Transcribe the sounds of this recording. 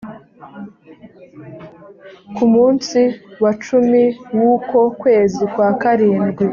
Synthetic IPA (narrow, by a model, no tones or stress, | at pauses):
kumuːnsiwat͡ʃumiwuːko̞kwe̞ːzikwaːkaɾiːmɡwi